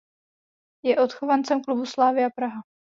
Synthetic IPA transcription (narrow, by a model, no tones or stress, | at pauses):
jɛʔo̞t̪xovant͡sɛmklubuslaːvɪapɾaɦa